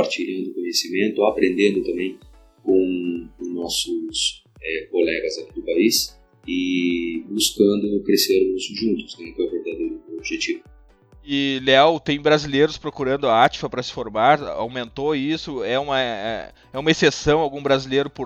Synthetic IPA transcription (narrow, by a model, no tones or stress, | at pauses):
aɾt͡ʃiʎɐ̃nd̪ʊkõɲesimẽnt̪ʊapɾẽnd̪ẽnd̪ʊt̪ɐ̃mbẽj̃ | kõw̃nɔsʊs | ɛkolɛɡɐzakid̪ʊpais | ɪbuskɐ̃nd̪ʊkɾeseɾnusʊʒũnt̪ʊ̥snɛkɛ̃veɾd̪ad̪ejɾʊobiʒet͡ʃivʊ | ɪleawt̪ẽj̃bɾazileɾʊspɾokuɾɐ̃nd̪ʊaat͡ʃi̥fɐpɾɐsɪ̥foɾmaɾa̰wmẽnt̪oisʊɛũmɐɛ̰ | ɛũmɐesesɐ̃w̃awɡũbɾazilejɾʊpʊ